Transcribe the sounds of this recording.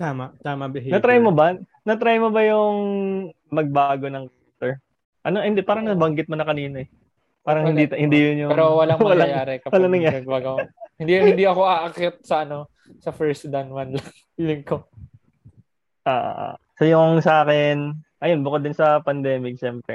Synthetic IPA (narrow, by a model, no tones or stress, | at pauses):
t̪aːmɐt̪aːmɐbɪnɐt̪ɾajmobɐnɐt̪ɾajmobɐjʊŋ | mɐɡ̚baːɡo̞nɐŋkɛt̪ɛɹ | ʔɐnohɪnd̪ɛpaːɾɐŋnɐbɐŋɡɪt̪̚monɐkɐniːnɐɛ | paːɾɐŋhɪnd̪it̪hɪnd̪ijʊnjʊpɛɾowɐlɐŋmwɐɐlaŋjaːɾɛkɐwɐlaŋnɐŋjaːbaɡɐhɪnd̪ihɪnd̪iɐko̞aʔɐkɛt̪̚sɐʔɐno | sɐfɛɹsd̪ɐnwɐnlɐŋ | ilɪŋko | ʔa̰ʔo̰ʔsojʊŋsɐʔaːkɪnʔɐjonbʊkod̪ɪnsɐpɐnd̪ɛːmɪk̚ʃɛmpɾɛ